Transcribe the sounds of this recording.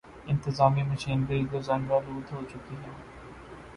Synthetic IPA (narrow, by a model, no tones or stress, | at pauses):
ɪ̃nt̪ɪzaːmiməʃiːnbəiɡozɐnɾɐɾuːt̪ɦot͡ʃʊkiɦɛː